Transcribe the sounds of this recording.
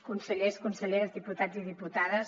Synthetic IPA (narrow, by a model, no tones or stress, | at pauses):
kunsəʎeskunsəʎeɾəzðiput̪ad͡ziðiput̪aðəs